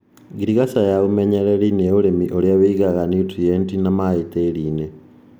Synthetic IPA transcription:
ɡiɾiɣasajaɣumeɲeɾelineulemiʔoljaβiɡaɣanitijentinamait̪eliːne

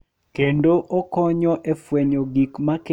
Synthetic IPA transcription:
kendoʔɔkɔɲɔʔefweɲoɡikmak

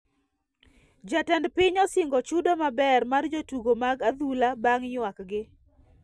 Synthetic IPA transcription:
d͡ʒatɛndpɪɲɔsɪŋɡɔt͡ʃudomabɛrmard͡ʒotuɡomaɡad̪ulabaŋɲwakɡɪ

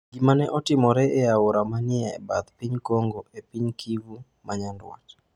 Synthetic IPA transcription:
ɡimanɛʔɔtɪmɔɾɛʔɛaoɾamanɪɛbat̪piɲkoŋɡoepiɲkʰivu | maɲandwɔ̰t

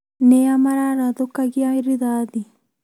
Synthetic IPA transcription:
neamaɾaɾaðokːaɣiaiɾiðaːði

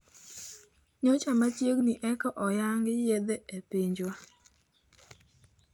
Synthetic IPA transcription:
ɲot͡ʃamat͡ʃjeɡniʔɛkɔʔɔjaŋɡɪjed̪eepiɲd͡ʒwa

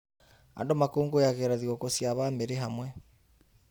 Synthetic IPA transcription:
a̰ndomakoːŋɡojaɣeɾaðiokosjaβameɾeɦamwɛ

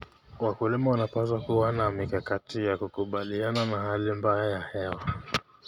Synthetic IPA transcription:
wakulimawanapazwakuwanamikakatijakukuɓaliananahalimbajajahɛwa

